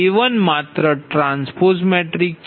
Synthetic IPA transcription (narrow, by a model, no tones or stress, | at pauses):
eʋənmat̪ɾəʈɾãnspoɾsmɛʈɾik